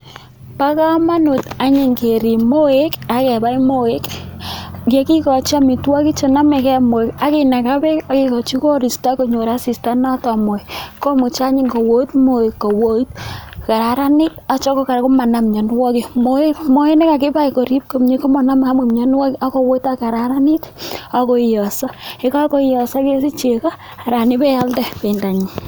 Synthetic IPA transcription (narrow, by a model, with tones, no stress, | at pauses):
pa˦ka˦ma˦nʊ˨ta˨ɲɪ˨ŋɡe˨ɾi˨mo˦e˦ka˨kɛ˨ba˦i˦mo˦e˦k | ka˨˦kɪ˦kɔ˨t͡ʃi˦a˦mɪ˨twa˦kɪ˦t͡ʃɔ˨na˦mɛ˨kɛ˦mo˨e˨ka˦kɪ˨na˨ka˦bɛ˦a˨kɪ˦kɔ˨t͡ʃi˦kɔ˦ɾi˨sta˦ko˨ɲo˨ɾa˦si˨sta˦na˦tɔ˨mɔ˨kɔ˦mʊ˨t͡ʃa˦ɲɪ˦ŋɡo˨wo˦i˦tmo˨e˨kːo˨wo˦i˦t̚ka˨ɾa˨ɾa˦ni˦t̚a˨t͡ʃɔ˦kɔ˦ka˨ɾko˦ma˨na˨mɲɔ˨nwɔ˦ki˨mo˦mo˦e˦ne˦ka˨kɪ˦pa˦i˨ko˨ɾi˦p̚ko˨mɲe˦ko˦ma˨na˦ma˨mu˨mɲɔ˦nwɔ˦kʔa˦ko˦wo˦ita˦ka˨ɾa˨ɾa˦ni˦ta˦ko˦i˨jɔ˨sɔ˦e˨˦ka˦ko˦i˦jɔ˨sɔ˦ke˦si˦t͡ʃe˨ka˦ | a˨ɾa˨ni˦pɛ˦ja˦ldɛ˦pe˨nda˨ɲi˨